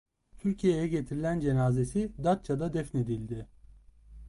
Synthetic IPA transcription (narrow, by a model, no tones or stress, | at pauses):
t̪ʰyɾcʰije̞jɛɟe̞t̪ʰiɾilʲænd͡ʒe̞naːze̞sid̪at̪̚t͡ʃʰad̪ad̪ɛfne̞d̪ilʲd̪ɪ